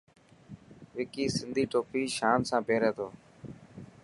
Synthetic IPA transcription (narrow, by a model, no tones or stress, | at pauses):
ʋɪkiːsɪnd̪ʱiːʈoːpiːʃaːmsãːpeːɾeːt̪ʰoː